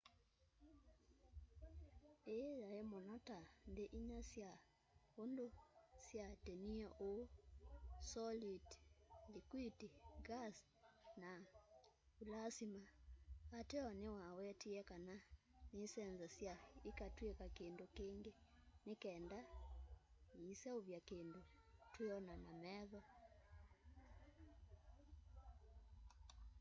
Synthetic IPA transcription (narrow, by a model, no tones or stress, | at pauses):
ejaemonɔtandeʔiɲasja | ondosjateniɔʔo | sɔlidlikwidiɡas | na | ulasimaː | tɛɔnewawɛtiɛkana | nesɛnzasiaikatwekakeːndokeːŋɡenekɛːnda | isɛoβjakeːndo | tweɔnanamɛːðɔ